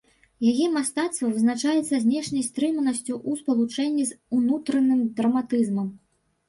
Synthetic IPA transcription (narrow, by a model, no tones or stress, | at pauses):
jajɛmast̪at̪st̪vɐvɨznat͡ʂajɛt̪sːɐzʲnʲɛʂnʲɐjst̪ɾɨmɐnɐsʲt͡sʲuʔuspɐlˠut͡ʂɛnʲːizunut̪ɾɐnɨmd̪ɾɐmat̪ɨzmɐm